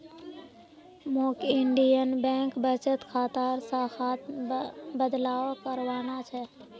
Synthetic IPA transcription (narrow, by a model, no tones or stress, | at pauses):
moːkɪɳɖijənbɛ̃ːŋkbət͡ʃət̪kʰaːt̪aːɾsaːxaːt̪bəd̪laːkəɾwaːnat͡ʃʰɛ